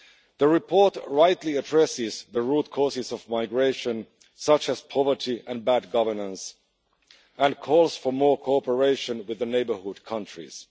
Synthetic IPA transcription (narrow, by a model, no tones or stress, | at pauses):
ðəɹɪpʰɔɹtɹaɪtʰˡliɨdɹɛsɪzðəɹud̚kʰɔɹsɪzʌvmaɪɡɹeɪʃɨ̃n | sʌt͡ʃɨz̥pʰɑvə˞tʰiɨ̃nbæd̚ɡʌvə˞nə̃ns | ə̃nkʰɔlˠz̥fə˞mɔɹkʰoɔpə˞eɪʃɨ̃nwɨðɨneɪbə˞hʊd̚kʰʌ̃nt͡ʃɹ̥ḭz̥